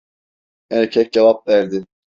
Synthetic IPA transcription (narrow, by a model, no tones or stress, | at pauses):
ɛnɛcʰɛc̚d͡ʒavap̚væɾd̪ɪ